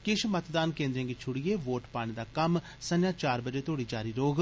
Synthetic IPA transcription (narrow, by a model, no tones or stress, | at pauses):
kɪʃmət̪d̪aːnkẽːnd̪ɾjãːɡit͡ʃʰʊɽijeːʋoːʈpaːɽ̃eːd̪aːkəm | sənjãːt͡ʃaːɾbəd͡ʒeːt̪ʰoːɽiːd͡ʒaːɾiːɾoːɡ